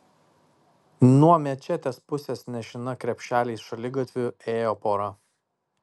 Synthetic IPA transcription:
nuɔmʲɛt͡ʃʲɛt̪ʲeːspʊsʲesnʲɛʃʲɪnɐkɾʲɛpʲʃʲæːlʲɛɪsʃɐlʲɪɡɐt̪ʲʋʲʊeːjoːpoːɾɐ

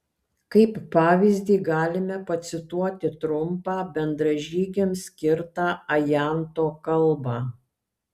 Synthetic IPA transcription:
kɐɪpːɑːʋʲɪzʲd̪ʲiːɡɑːlʲɪmʲɛpɐt̪sʲɪt̪uɔt̪ʲɪt̪ɾʊmpɑːbʲɛnd̪ɾɐʒʲiːɡʲemsʲkʲɪɾt̪ɑːɐjæˑnt̪oːkɐlˠbɑ

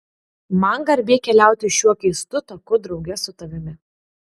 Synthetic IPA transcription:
mɐŋɡɐɾʲbʲeːkʲɛlʲæˑʊt̪ʲɪʃʲuɔkɐɪst̪ʊt̪ɐkʊd̪ɾɒʊɡʲɛsʊt̪ɐʋʲɪmʲɪ

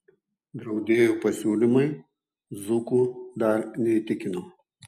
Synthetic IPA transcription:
d̪ɾɐʊd̪ʲeːjopɐsʲuːlʲɪmɐj | zʊkʊd̪ɐɾnʲɛit̪ʲɪkʲɪnoː

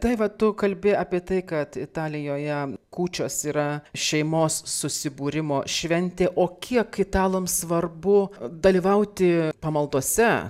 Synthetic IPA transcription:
t̪ɐɪʋɐt̪ʊkɐlʲbʲɪɑːpʲiɛt̪ɐɪkɐt̪ɪt̪ɑːlʲɪjoːjɛkuːt͡ʃʲoːsiːɾɐʃʲɛɪmoːsːʊsʲɪbuːɾʲɪmoːʃʲʋʲɛnʲt̪ʲeːʔoːkʲʰiɛkɪt̪ɑːlˠɐmsʋɐrbʊd̪ɐlʲiːʋɐʊt̪ʲɪpɐmɐlˠd̪oɔsʲɛ

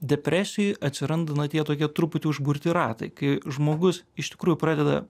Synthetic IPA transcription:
d̪ʲɛpʲɾʲæːsʲɪjɔjʔɐt̪ʲsʲɪɾɐnd̪ɐnɐt̪ʲiɛt̪oːkʲiɛt̪ɾʊpʊt̪ʲuːʊʒbʊɾʲt̪ʲɪɾɑ̰ːt̪ɐ̰ɪkɐɪʒmoːɡʊsɪʃt̪ʲɪ̥kɾuːjʊpɾɑːd̪ʲɛd̪ɐ̰

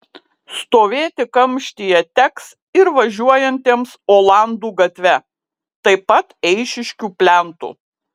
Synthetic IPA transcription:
st̪oːʋʲeːt̪ʲɪkɐmʲʃʲt̪ʲijɛt̪ʲɛks | ɪɾʋɐʒʲuɔjɛnʲt̪ʲeːmsoːlˠɑˑnd̪uːɡɐt̪ʲʋʲɛ | t̪ɐɪpɐt̪ɛɪʃʲɪʃʲkʲuːpʲlʲæˑnt̪ṵ

